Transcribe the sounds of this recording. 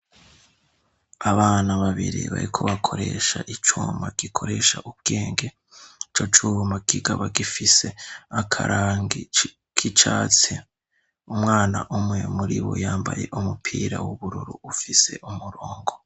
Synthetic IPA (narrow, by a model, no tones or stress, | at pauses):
aβaːnaβaβiɾiβa̰ɾikʰoβakʰo̞ɾeːʃaʔit͡ʃuːmbaɡ̥ikʰo̞ɾe̞ʃaʔub̚ɡ̥e̞ːŋɡe̞ | it͡ʃot͡ʃuːmaɡiɡaβaɡifise̞akʰaɾʔaŋɡi | kʰit͡ʃaːt͡se | umŋaːna̰ʔumŋe̞muɾiβo̰jaːmbaje̞ʔumupʰiːɾawuβuɾuɾuufise̞ʔumuɾoːŋɡo